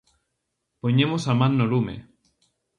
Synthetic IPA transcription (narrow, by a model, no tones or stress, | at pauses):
poɲemosamãnːolumḛ